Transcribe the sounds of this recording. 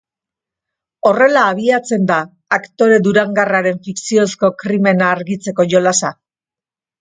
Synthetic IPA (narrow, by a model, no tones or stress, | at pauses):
o̞re̞laːβ̞iat͡se̞nd̪aː | kt̪o̞ɾe̞d̪uɾaŋɡaraɾe̞ɱfiksio̞sko̞kɾime̞naːɾɣit͡se̞ko̞ʝo̞lasa